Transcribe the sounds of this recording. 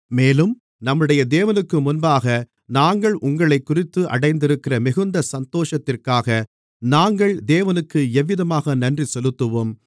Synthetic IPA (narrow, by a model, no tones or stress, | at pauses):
meːlɯm | nɐmːɯɽɐjɐd̪eːʋɐnɯkːɯmʊnbaːɣɐ | naːŋɡɐɭʔʊŋɡɐɭɐɪkːʊrɪt̪ːɯʔɐ̰ɽɐɪnd̪ɪɾɯkːɪrɐmɪɣɯnd̪ɐsɐnt̪oːʂɐt̪ːɪrkaːɣɐ | naːŋɡɐɭd̪eːʋɐnɯkːɯɛʋːɪðɐmaːɣɐnɐndrisɔlɯt̪ːɯʋoːm